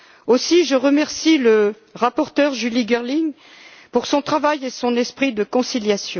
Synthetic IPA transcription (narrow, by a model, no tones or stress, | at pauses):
osiʒəʁəmɛʁsilə | ʁapɔʁt̪œʁʒyliɡɛʁliŋ | puʁsɔ̃t̪χavajesɔ̃nɛspχid̪əkɔ̃siljasjɔ̃